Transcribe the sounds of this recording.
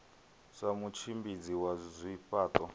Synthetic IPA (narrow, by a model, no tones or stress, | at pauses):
ʂamut͡ʃʰimbid͡ziwazʷiɸaːtʼɔ